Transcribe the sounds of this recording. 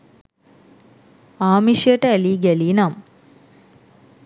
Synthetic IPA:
aːmiʂjəʈəæliːɡælinam

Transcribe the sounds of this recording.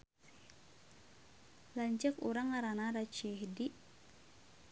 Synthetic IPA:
laɲt͡ʃəkṵɾaŋaɾanaɾat͡ʃiɦdiʔ

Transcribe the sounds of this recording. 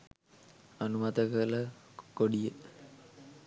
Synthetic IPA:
ɐnumɐd̪ɐɣɐlɐkoɽijɨ

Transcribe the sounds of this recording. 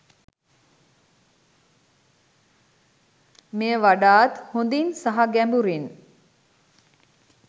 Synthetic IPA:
meːəʋaɖaːt̪hond̪insaɦaɡɛmbuɾin

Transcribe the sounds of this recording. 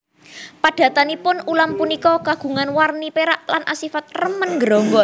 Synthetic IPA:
pad̥ä̤t̪anipʊnulampunikɔkaɡ̥ṳŋanwarnipeɾaʔlanʔasifat̪̚rəmənŋɡəɾɔŋɡɔ

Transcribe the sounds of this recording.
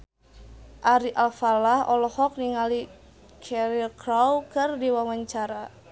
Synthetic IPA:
ʔaɾiʔalfalahɔ̰lɔhɔk̚niŋali | kʰɛɾilkɾawkɨrdiwawaɲt͡ʃaɾa

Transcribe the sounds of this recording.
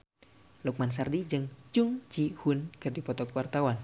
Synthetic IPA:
luk̚mansardid͡ʒɨŋt͡ʃuŋt͡ʃihunkərdipɔt̪ɔkuwart̪awan

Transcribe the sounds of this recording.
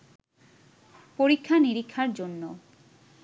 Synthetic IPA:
poɾikʰːaniɾikʰːaɾd͡ʑonːo

